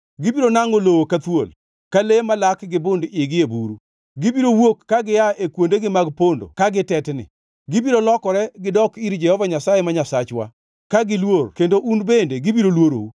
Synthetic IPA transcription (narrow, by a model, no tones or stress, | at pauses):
ɡɪbiɾonaŋolowokat̪wol | kalemalakɡɪbʊndɪɡɪebuɾu | ɡɪbiɾowokːaɡɪjaekwondeɡɪmaɡpondo̰kaɡɪtɛtnɪ̰ | ɡɪbiɾolɔkɔɾɛɡɪdɔkiɾd͡ʒɛhɔvaɲasajemaɲasat͡ʃwa̰ | kaɡɪlworkendoʔunbendeɡɪbiɾolwoɾo̰u